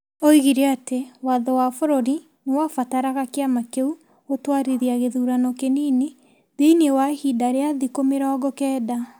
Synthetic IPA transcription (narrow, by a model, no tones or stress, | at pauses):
oiɣiɾeatewaðɔwafoɾoɾi | newafataɾaɣakeamakeu | otwaɾiɾiaɣeðuːɾanɔkeniːne | ðeinewahidaɾeaðikomeɾaɔɡɔkɛːda